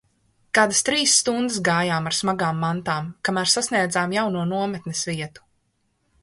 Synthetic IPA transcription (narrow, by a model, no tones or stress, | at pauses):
kaːd̪ast̪ɾiːsːt̪und̪ɨsɡaːjaːmaɾsmaɡaːmːant̪aːmkamæːɾsasniɛd̪zaːmjawnuɔnuɔmɛt̪nɛsviɛt̪u̥